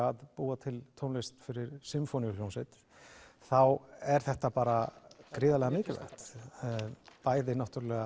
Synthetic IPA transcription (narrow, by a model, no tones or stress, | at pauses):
aðpuːat̪ʰɪlt̪ʰownlest̪fɪɾɪɾsɪmfɔniljownsɛt̪ | θawɛɾ̥θɛht̪apaːɾakɾɪːðalɛɣamɪːcɪlvɛ̰xt̪ | paːjðɪnaht̪ʏɾalɛɣa